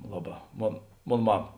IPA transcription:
ˈlˠɑːˌbɑː ˈmoːn ˈmoːn ˈmɑːmɐ

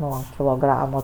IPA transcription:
ˈnuɔ kʲɪlˠoːˈɡrɑːmoː

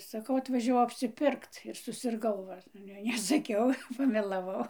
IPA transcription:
sɐˈkɐʊ ɐtʋɐʒʲɛˈʋɐʊ ɐpʲsʲɪˈpʲɪrkt ɪr sʊsʲɪrˈɡɐʊ ʋɐ ˈɑːlʲɛ nʲɛsɐˈkʲɛʊ pɐmʲɛlˠɐˈʋɐʊ

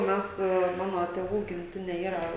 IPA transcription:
ˈmʲɛs ˈmɑːnoː tʲeːˈʋuː ɡʲɪmʲˈtʲɪnʲeː ˈiːrɐ

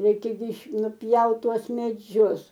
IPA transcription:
ˈrʲɛɪkʲɛ ɡʲɪ nʊˈpʲjɛʊt ˈtuɔs mʲɛˈd͡ʒʲʊs

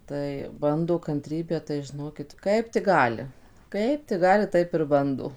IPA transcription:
ˈtɐɪ ˈbɐndoː kɐnʲˈtʲrʲiːbʲæː tɐɪ ʒʲɪˈnoːkʲɪt ˈkɐɪp tʲɪk ˈɡɑːlʲɪ ˈkɐɪp tʲɪk ˈɡɑːlʲɪ ˈtɐɪp ɪr ˈbɐndoː

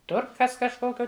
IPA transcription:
ˈtʊr ˈkɐs kɐʃˈkoːkʲoː

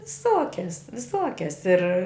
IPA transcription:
ʋʲɪˈsoːkʲɛs ʋʲɪˈsoːkʲɛs ɪr

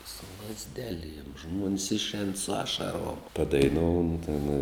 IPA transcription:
sʊ lˠɐzʲˈdʲæːˌlʲiɛm ʒmuɔns ɪʃʲˈɛːn sʊ ˈɑːʃɐˌruɔm pɐdɐɪˈnuːn tʲɪn

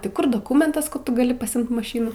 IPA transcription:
tɐɪ ˈkʊr doːˈkʊmʲɛntɐs kɐt ˈtʊ ɡɐˈlʲɪ pɐˈsʲɪmt mɐˈʃʲiːnuː

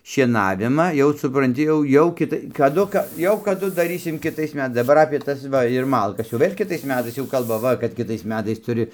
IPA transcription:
ʃʲiɛˈnɑːʋʲɪmɑː jɛʊ sʊprɐnʲˈtʲɪ jɛʊ ˈjɛʊ ˈkʲɪtɐɪ kɐˈdʊ kɐ ˈjɛʊ kɐˈdʊ dɐˈrʲiːsʲɪm kʲɪˈtɐɪs mʲɛˈtɐɪs dɐˈbɐr ɐpʲeː ˈtɐs ˈʋɐ ɪr ˈmɐlˠkɐs jɛʊ ˈʋʲeːlʲ kʲɪˈtɐɪs ˈmʲæːtɐɪs jɛʊ ˈkɐlˠbɐ ˈʋɐ kɐt ˈkʲɪtɐɪs ˈmʲæːtɐɪs tʊˈrʲɪ

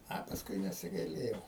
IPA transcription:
ˈɐ pɐsˈkʊɪ nʲɛsʲɪɡɐɪˈlʲeːjɛʊ

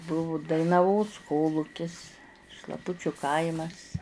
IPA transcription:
ˈbʊʋʊ dɐɪnɐˈʋoːs ˈkoːlˠuːkʲɪs ʃlˠɐˈpʊt͡ʃʲʊ ˈkɐɪmɐs

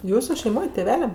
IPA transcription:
ˈjuːsʊ ʃʲɛɪˈmoːj tʲeːˈʋʲæːlʲɛm

